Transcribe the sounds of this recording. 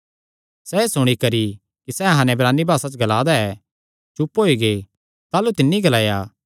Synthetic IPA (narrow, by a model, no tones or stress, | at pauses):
sɛeːsʊɽ̃ikɐɾi | kisɛɦãːnɛbɾaːnːibʱaːsat͡ʃɡɐlaːd̪aɛː | t͡ʃʊpɦoːiɡe | t̪aːlut̪ɪnːiɡɐlaːja